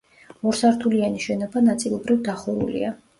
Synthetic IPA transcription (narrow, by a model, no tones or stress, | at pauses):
ɔɾsaɾt̪ʰulianiʃɛnɔbanat̪sʼilˠɔbɾivd̪aχuɾṵlḭa